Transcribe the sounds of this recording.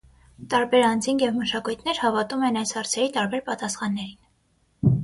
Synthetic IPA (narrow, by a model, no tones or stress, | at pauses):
t̪ɑɾbɛɾɑnd͡zinjɛvməʃɑkujt̪ʰnɛɾhɑvɑt̪umɛnɑjshɑɾt͡sʰɛɾit̪ɑɾbɛɾpɑt̪ɑsχɑnːɛɾin